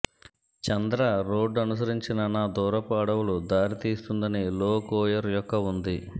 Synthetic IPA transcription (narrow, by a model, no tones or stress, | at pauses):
t͡ʃɐnd̪ɾɐɾoːɖɐnus̬ɐɾiɲt͡ʃinɐnaːd̪ɔːɾɐpaːɽɐwulud̪aːɾit̪iːst̪und̪ɐniloːkɔːjɐɾjɔkːɐund̪i